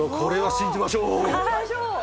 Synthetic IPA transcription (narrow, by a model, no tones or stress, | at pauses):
okʰoɾe̞βaɕĩɲd͡ʑimaɕoː